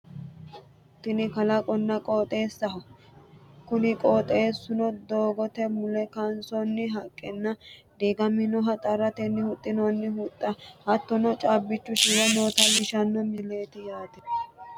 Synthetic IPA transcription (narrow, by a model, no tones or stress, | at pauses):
t̪ːɪnɪkɐlɐkʼɔnːɐkʼoːt̪ʼe̞ːsːɐɦɔ | kʊnɪkʼoːt̪ʼːe̞ːsːʊnɔd̪oːɡɔt̪ɛmʊlɛkɐnsɔnːɪɦɐkʼːɛnːɐd̪eːɡɐmɪnɔɦɐt̪ʼɐɾɐt̪ɛnːɪhʊt̪ʼːɪnɔnːɪhʊt̪ʼːɐhɐt̪ːɔnɔt͡ʃʼabːɪt͡ʃːʊʃɪwɛnoːt̪ɐmɪʃɐnːɔmɪle̞ːt̪ɪjaːt̪ɛ